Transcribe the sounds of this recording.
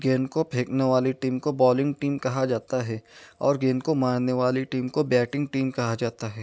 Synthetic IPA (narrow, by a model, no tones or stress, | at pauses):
ɡeːnkopʰeːkneʋaːliʈiːmkobɔːlɪ̃ŋɡ̚ʈiːmkɐɦad͡ʒaːt̪aɦɛɔːɾɡeːnkomãːɽneʋaːliʈiːmkobɛːʈɪ̃ŋɡ̚ʈiːmkɐɦad͡ʒaːt̪aɦɛː